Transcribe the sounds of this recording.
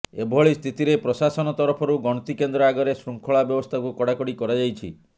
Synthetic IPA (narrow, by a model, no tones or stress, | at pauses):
ebʱɔɭist̪ʰit̪iɾepɾɔsasɔnɔt̪ɔɾɔpʰɔɾuɡɔɽ̃ɔt̪ikend̪ɾɔaɡɔɾesɾuŋkʰɔɭabjɔbɔst̪ʰakukɔɽakɔɽikɔɾad͡ʒajt͡ʃʰḭ